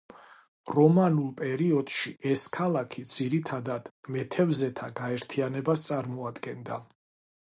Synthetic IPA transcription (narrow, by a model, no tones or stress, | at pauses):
ɾɔmanulˠpʼɛɾiɔd̪̥ʃiʔɛskʰalˠakʰid̪z̥iɾit̪ʰad̪ad̪̥mɛt̪ʰɛvzɛt̪ʰaɡaɛɾt̪ʰianɛbast̪sʼaɾmɔad̪ɡɛnd̪a